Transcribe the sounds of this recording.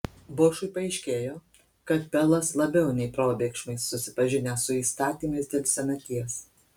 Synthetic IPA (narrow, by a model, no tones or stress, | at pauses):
bʊʃʊɪpɐɛɪʃʲkʲeːjoː | kɐt̪̚pʲɛlˠɐslˠɐbʲɛʊnʲɛɪpɾoːbʲeːkʃmɐɪsːʊsʲɪ̥pɐʒʲɪnʲeːsʊiːst̪ɑːt̪ʲiːmɐɪsd̪ʲeːlʲsʲɛnʲɐt̪ʲiɛs